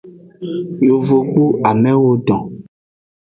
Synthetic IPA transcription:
jo˨vo˨k͡pu˦a˨mɛ̃˦wo˦ɖɔ̃˨

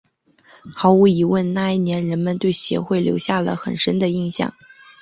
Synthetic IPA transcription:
xɑ˧˥ʊu˧˥i˧˥wə˥˧nna˥˧i˥˩njɛ˧˥nɻə˧˥nmə˧nt̪we˥˩ɪɕjɛ̰˧˥xwe˥˩ɪljo̰˧˥ʊɕja˥˩lə̰˩xə̰˨˩nʂə˥nd̪ə˨i˥˧ŋɕjɑ̰˥˩ŋ

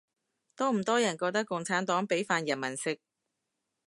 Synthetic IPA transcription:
t̪ɔː˥m̩˨˩t̪ɔː˥jɐ˨˩nkɔː˧k̚t̪ɐ˥kːʊ˧ŋt͡sʰaː˨˥nt̪ɔː˨˥ŋpe˨˥jfaː˧njɐ˨˩nmɐ˨˩nsɪ˧k̚

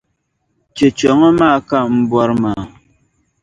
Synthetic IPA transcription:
t͡ʃe˨t͡ʃɔ˨ŋə˦ma˦˨ka˦˨m̩˦bwɔ˦ɾma˨

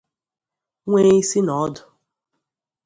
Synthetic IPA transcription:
ŋʷeː˦i˦si˦nɔ˨˦dʊ˨

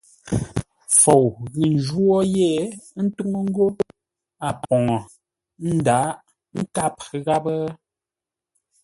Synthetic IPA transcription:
fo˨wni˨n˨d͡ʒwɔ˦je˦˨˦n̩˦tu˦ŋə˦ŋ̩˦ɡo˦ | a˨pɔ˨ŋɔ˨ | n̩˦da˨˦ʔ | ŋ̩˦ka˦p̚ɣa˦bə˦

